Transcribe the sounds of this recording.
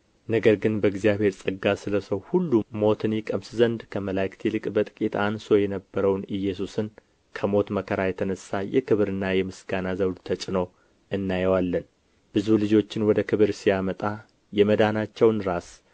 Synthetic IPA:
nəɡəɾɡɨnbəɪɡzijaβhe̞ɾsʼɨɡːasɨləsəwhulːumo̞t̪ʰɨnjikʼəmszənd̪kʰəməlajkt̪ʰilɨkʼbət̪ʼɨkʼit̪ʰanso̞jɛnəbːəɾəwnɨjːɛsusɨn | kʰəmo̞t̪məkʰəɾajɛt̪ʰənəsːajɛ̰kʰɨβɾɨnːajɛmɨsɡanazəwd̪t̪ʰət͡ʃʼɪno | ɨnːajəwalːən | b̥ɨzulɨd͡ʒo̞t͡ʃːɪnwɔd̪əkʰɨβɨɾsijamət̪ʼa | jɛməd̪anat͡ʃːɛwnɾas

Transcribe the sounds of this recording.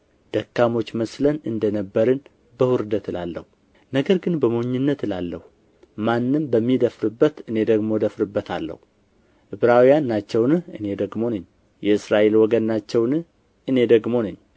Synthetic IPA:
d̪̥əkːamo̞t͡ʃːməslənɨnd̪ənəbːəɾɨn | bəhʊɾɨd̪ət̪ɨlalːə̰hu | nəɡəɾɡɨnbəmoɲːɨnːət̪ɨlalːəhu | manːɨmbəmːid̪əfɾɨbːət̪ɨne̞d̪əɡmo̞d̪əfɾɨbːət̪ʰa̰lːə̰hu | ʔɨβɾawijanːat͡ʃːɛwnɨhɨne̞d̪əɡmo̞nəɲː | jɛɨsɾaʔe̞lwɔɡənːat͡ʃːɛwnɨh | ʔɨne̞d̪əɡmo̞nɨɲː

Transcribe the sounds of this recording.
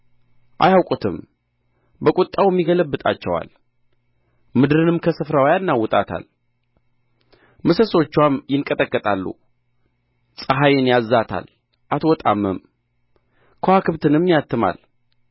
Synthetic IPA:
ʔa̰jawkʼut̪ʰɨm | bəkʼʊt̪ʼːawɛmːiɡələbːɨt̪ʼa̰t͡ʃːɛwa̰l | mɨd̪ɾɨnɨmkʰəsɨfɾawjanːawːɔt̪ʼat̪ʰa̰l | mɨsəso̞t͡ʃːwamjɪŋkʼət̪ʼəkʼːət̪ʼalːṵ | sʼəɦajɪnjazːat̪ʰa̰l | ʔat̪wɔt̪ʼamːəm | kʰəhakʰɨβt̪ʰɨnɛmːijat̪ːɨma̰l

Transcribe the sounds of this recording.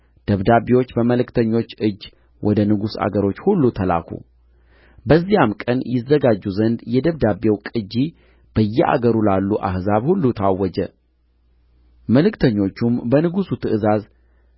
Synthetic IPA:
d̪̥əβd̪abewo̞t͡ʃːbəməlɨkt̪ʰəɲːo̞t͡ʃːɨd͡ʒː | wʔɔd̪ənɨɡusa̰ɡəɾo̞t͡ʃːhulːut̪ʰəla̰kʰṵ | bəzːijamkʼənjɪzːəɡad͡ʒːuzənd̪jɛd̪əβd̪abewkʼɨd͡ʒːi | b̥əjːɛʔa̰ɡəɾulalːuʔa̰hzaβhulːut̪ʰawːɔd͡ʒə | məlɨkt̪ʰəɲːo̞t͡ʃːumbənɨɡusut̪ʰɨʔɨzaz

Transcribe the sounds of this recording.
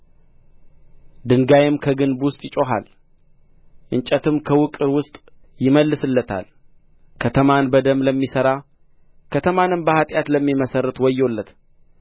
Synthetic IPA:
d̪ɨŋɡajɪmkʰəɡɨnbwʊst̪ʼjɪt͡ʃʼo̞ɦa̰l | ʔɨnt͡ʃʼət̪ʰɨmkʰəwʊkʼɨɾwʊst̪ʼ | jɪməlːɨsɨlːət̪ʰa̰l | kʰət̪ʰəmanbəd̪əmləmːisəɾa | kʰət̪ʰəmanɨmbəhat̪ʼjat̪ləmːiməsərːət̪wɔjːo̞lːət̪

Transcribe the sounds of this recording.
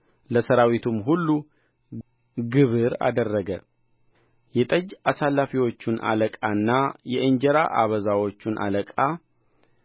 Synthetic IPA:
ləsəɾawit̪ʰumɦulːu | ɡɨβɨɾa̰d̪ərːəɡə | jɛt̪ʼəd͡ʒasalːafiwo̞t͡ʃːunʔa̰ləkʼanːajɛʔɨɲd͡ʒɛɾa̰ʔaβəzawo̞t͡ʃːunʔa̰ləkʼa

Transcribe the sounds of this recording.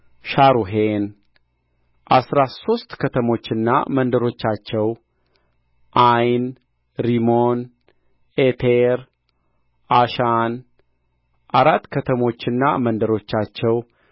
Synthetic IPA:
ʃaɾuɦen | ʔasɾaso̞st̪kʰət̪ʰəmo̞t͡ʃːɨnːa̰mənd̪əɾo̞t͡ʃːat͡ʃːɛw | ʔajn | ɾimon | ʔet̪ʰeɾ | ʔaʃan | ʔaɾat̪ːkʰət̪ʰəmo̞t͡ʃːɨnːa̰mənd̪əɾo̞t͡ʃːat͡ʃːɛw

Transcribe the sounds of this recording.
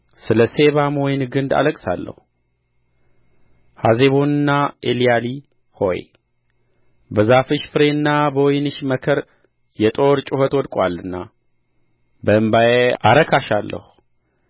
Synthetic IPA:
sɨləse̞βamojnɡɨnd̪a̰ləkʼsa̰lːə̰hu | haze̞βonɨnːaʔelijali | ho̞̰j | bəzafɨʃfɨɾenːabəwɔjnɨʃməkʰəɾ | jɛt̪ʼo̞ɾt͡ʃʼɪhət̪wɔd̪kʼwalːɨnːa | bəɨmbajeaɾəkʰaʃalːə̰hu

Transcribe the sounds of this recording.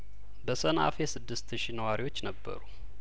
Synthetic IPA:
bəsəna̰fesɨd̪ːɨst̪ʃinəwaɾiwo̞t͡ʃːnəbːə̰ɾu

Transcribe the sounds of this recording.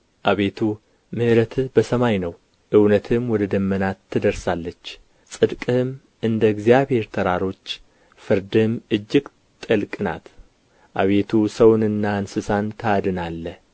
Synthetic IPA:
ʔaβe̞t̪ʰu | mɨhɨɾət̪ʰbəsəmajnəw | ʔɨwnət̪ʰɨmwɔd̪əd̪əmːənat̪ʰːɨd̪əɾsalːət͡ʃː | sʼɨd̪kʼɨɨm | ʔɨnd̪əɡzijaβhe̞ɾt̪ʰəɾaɾo̞t͡ʃː | fɨɾd̪ɨmɨd͡ʒːɪɡ | t̪ʼəlkʼɨna̰t̪ | ʔaβe̞t̪ʰusəwnɨnːansɨsant̪ʰəad̪ɨnalːə

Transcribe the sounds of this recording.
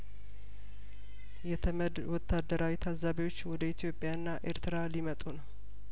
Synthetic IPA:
jɛt̪ʰəməd̪wɔt̪ʰːad̪ːəɾʔawit̪ʰazaβiwo̞t͡ʃːwɔd̪əit̪ʰijo̞pʼjaɨnːaʔḛɾt̪ʰɨɾalimət̪ʼunəw

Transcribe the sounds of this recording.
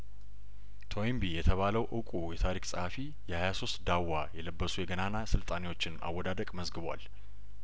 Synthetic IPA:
t̪ʰoimbijɛt̪ʰəβaləwʔɨkʼujɛt̪ʰaɾikʼsʼəhafi | jɛhajaso̞st̪d̪awːajɛləbːəsujɛɡənanasɨlt̪ʼanewo̞t͡ʃːɪna̰wːɔd̪ad̪əkʼməzɡɨβwa̰l

